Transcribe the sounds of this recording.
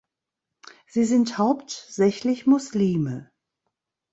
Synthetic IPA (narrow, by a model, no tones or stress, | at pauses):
z̥iːzɪnthaʊptz̥ɛçlɪçmʊsliːmə